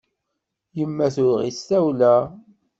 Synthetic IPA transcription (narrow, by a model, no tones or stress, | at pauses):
jəmːæθʊɾʁḭsæwlæ